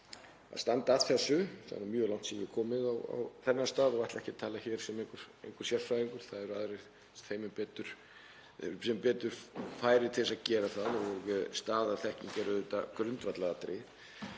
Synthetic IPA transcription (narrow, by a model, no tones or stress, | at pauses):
a̰st̪ant̪at̪θɛsːʏθa̰ð̰nmjœːlawŋ̥t̪sɛjɪkʰɔːmɪðawa̰wθɛnːast̪aːðɔvaht̪lɛhcɪt̪ʰaːlaçɛːɾ̥sɛmejŋkʏɾ̥ḛjŋkʏɾ̥sjɛl̥fɾajɾiŋkʏɾ̥θaðɛɾaðɾej | sθeːjmɪpɛːt̪ʏɾ̥ | sɛmpɛːt̪ʏɾ̥faːjɾɪt̪ʰɪlsaðcɛːɾaθaðɔɣst̪aːðaðθɛhciŋcɛɾʏðʏːt̪a̰kɾʏnt̪vat̪laɣat̪ɾɪ